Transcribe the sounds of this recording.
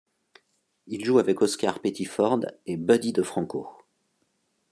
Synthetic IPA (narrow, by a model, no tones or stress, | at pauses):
ilʒuavɛkɔskaʁpet̪ifɔʁd̪ebœd̪id̪əfχɑ̃ko